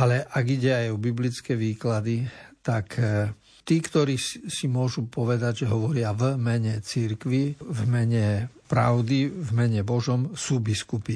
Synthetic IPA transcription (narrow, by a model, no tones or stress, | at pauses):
alɛʔaɡiɟɛajubiblit͡skɛːʋiːklad̪it̪ak | t̪iːkt̪ɔɾiːsimʊɔʒupɔʋɛd̪aɟʒɛɦɔʋɔɾɪavmɛɲɛt͡siɾkʋivmɛɲɛpɾa̰ʊd̪ivmɛɲɛbɔʒɔmsuːbiskupi